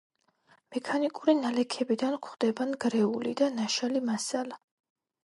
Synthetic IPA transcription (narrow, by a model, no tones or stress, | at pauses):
mɛkʰanikʼuɾinalɛkʰɛbid̪ankʰχd̪ɛbanɡɾɛulḭd̪anaʃalimasala